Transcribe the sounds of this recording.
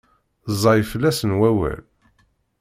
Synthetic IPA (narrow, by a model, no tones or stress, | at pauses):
zˤɑjfəlːæsənwæwæ̰l